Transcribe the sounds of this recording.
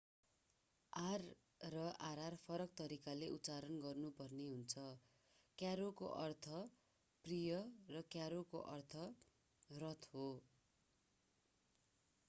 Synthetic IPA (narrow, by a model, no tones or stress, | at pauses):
arː | ʌʔaɾarpʰʌɾʌk̚t̪ʌɾikaleʔutːt͡saɾʌnɡʌrnupʌrneɦunt͡sʰʌ | kjaɾokoʔʌrt̪ʰʌ | prijʌrʌkjaɾokoʔʌrt̪ʰʌ | rʌt̪ʰɦo